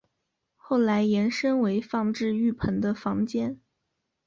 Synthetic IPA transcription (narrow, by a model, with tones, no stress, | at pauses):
xo˥˩ʊla˧˥ɪjɛ˧˥nʂə˥nwe˧˥ɪfɑ˥˧ŋʈ͡ʂɻ̩˥˧y˥˩pʰə˧˥nd̪ə˧fɑ˧˥ŋt͡ɕjɛ˥n